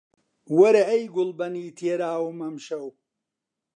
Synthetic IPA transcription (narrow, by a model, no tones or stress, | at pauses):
wɐɾɐʔɐjɡʊlbɐniːt̪ʰeːɾaːwmɐmʃɐw